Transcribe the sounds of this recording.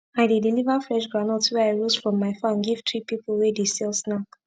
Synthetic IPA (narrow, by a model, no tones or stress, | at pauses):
aɪdedilivəfɹɛʃɡɹanəltswɛaɪɹosfɹɔ̃mːaɪfãnɡiv̥tʰɹipipəl̩ˠwɛdesɛlsnak